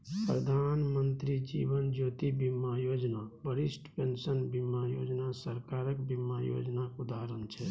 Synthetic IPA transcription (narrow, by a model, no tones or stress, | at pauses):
pɾəd̪ʱanmənt̪ɾid͡ʒḭbənd͡ʒoːt̪ibimːajod͡ʒnabəɾisʈʰpensənbimːajo̰d͡ʒnasəɾkaɾəkbimːajo̰d͡ʒnakud̪aɾənt͡ʃʰɛ